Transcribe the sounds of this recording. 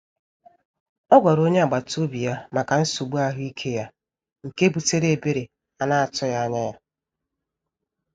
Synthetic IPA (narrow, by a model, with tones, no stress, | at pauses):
ɔ˦ɡʷɔ˨ɾo˦ɲe˦a˨ɡ͡ba˨to˦bi˨ja˦ma˨ka˨n̩˦su˨ɡ͡bu˦a˦ɦʊ˦i˦kʰe˦ja˦ | ŋ̩˨ke˦bu˨te˦ɾe˦e˨be˦ɾe˨ | a˦na˦a˨tɔ˦ja˦a˦ɲa˦ja˦